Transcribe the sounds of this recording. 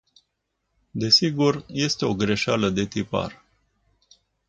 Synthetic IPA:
d̪e̞siɡurje̞st̪e̞o̞ɡɾe̞ʃaləd̪e̞t̪ipa̰r

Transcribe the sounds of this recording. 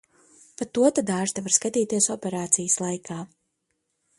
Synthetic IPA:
pat̪ːuɔt̪ad̪aːʒt̪avaɾskat̪iːt̪iɛsɔpʲɛɾaːt̪sijəslˠajkʰaː

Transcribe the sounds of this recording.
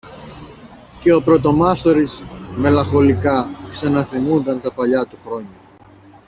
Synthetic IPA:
ce̞o̞pɾo̞t̪o̞mɐst̪o̞ɾizme̞lɐxo̞likɐksɐnɐθimund̪ɐnt̪ɐpɐʎɐt̪uxɾo̞ɲɐ

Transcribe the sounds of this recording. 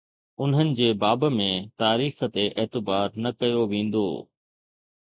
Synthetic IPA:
ʊnɦənɪ̆d͡ʑeːbaːbmẽt̪aːɾiːxə̆t̪eʔeːt̪ɪbaːɾnɐkɐjoʋẽːn̆d̪o̰ː

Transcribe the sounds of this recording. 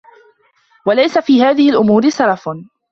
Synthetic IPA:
walajsafiːɦaːðɪhɪlʔʊmuːɾɪsɑɾˤɑf

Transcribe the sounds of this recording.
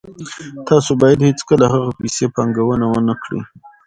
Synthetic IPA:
t̪ɑsobɑjad̪het͡skəlahaɣapisepɑŋɡawənawənakɽḭ

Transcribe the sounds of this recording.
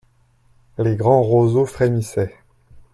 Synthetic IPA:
leɡʁɑ̃ʁozofχemisɛ

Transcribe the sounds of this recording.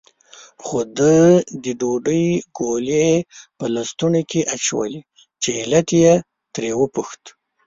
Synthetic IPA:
xod̪əd̪əɖoɖəjɡolepəlast̪unokʰeʔat͡ʃawə̰li | t͡ʃeɪlat̪je | t̪ɾewəpuxt̪

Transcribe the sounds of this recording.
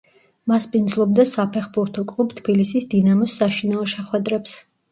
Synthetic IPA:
maspʼind̪zlˠɔb̚d̪asapʰɛχbuɾt̪ʰɔkʼlˠubt̪ʰb̥ilisisd̪inamɔsːaʃinaɔʃɛχwɛd̪ɾɛps

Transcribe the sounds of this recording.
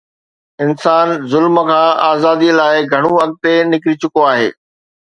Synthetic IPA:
ɪnsaːnzʊlməkʰãːʔaːzaːd̪ilaːɪɡʱɐɽ̃ũɐɠ̚t̪enɪkɾit͡ɕʊkoaːɦḛː

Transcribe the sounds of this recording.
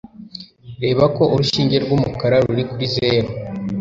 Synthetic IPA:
ɾe̞ːβako̞ʔuɾuʃiːɲɟe̞ɾɡumukaɾaɾuɾikuɾize̞ːɾo

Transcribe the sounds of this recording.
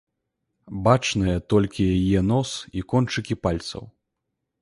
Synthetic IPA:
bat͡ʂnɨjɐt̪ɔlʲkʲijajɛnɔsikɔnt͡ʂɨkʲipalʲt̪sɐ̰w

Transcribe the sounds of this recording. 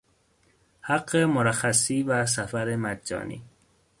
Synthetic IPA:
hæɡːemoɾæxæsiːvæs̬æfæɾemæd͡ʒd͡ʒɒ̰ːnḭː

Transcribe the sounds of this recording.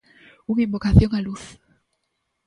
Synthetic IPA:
uŋĩmbokaθjoŋaluθ

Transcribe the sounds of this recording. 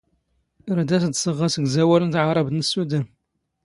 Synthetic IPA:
ɾd̪æsd̪səʁːɑsəɡzæwælənt̪ʕaɾˤɑb̪nəsːud̪æm

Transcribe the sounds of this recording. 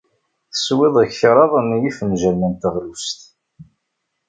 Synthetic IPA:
θə̥swɪðˤəççɾˤɑðˤæmjifənʒəɾmənt̪əʁlust̪

